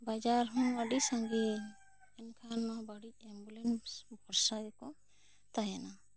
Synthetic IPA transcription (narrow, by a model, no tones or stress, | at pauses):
bad͡ʒaɾɦɔŋəɖisãŋɡi | ɛnkʰanːabaɽic̚ɛmbulɛnsbʱɔɾsajkɔ | t̪ajana